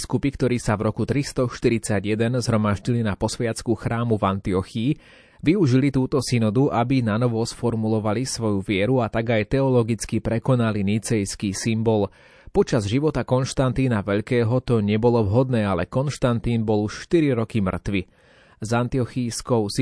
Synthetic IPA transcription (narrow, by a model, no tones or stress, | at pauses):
skupikt̪ɔɾiːsavɾɔkut̪ɾist̪ɔʃt̪iɾit͡saɟjɛd̪ɛnzɦɾɔmaʒɟilinapɔsʋɛat͡skuxɾaːmuvant̪iɔxiː | ʋiuʒilit̪uːt̪ɔsinɔd̪uʔabinanɔʋɔsfɔɾmulɔʋalisʋɔjuʋɪɛɾuat̪aɡajt̪ɛɔlɔɡit͡skipɾɛkɔnalinit͡sɛjskiːsimbɔl | pɔt͡ʃazʒiʋɔt̪akɔnʃt̪ant̪iːnaʋɛʎkɛːɦɔt̪ɔɲɛbɔlɔʋɦɔd̪nɛːalɛkɔnʃt̪ant̪iːnbɔluʃʃt̪iɾiɾɔkimr̩t̪ʋi | zant̪iɔxijskɔʊs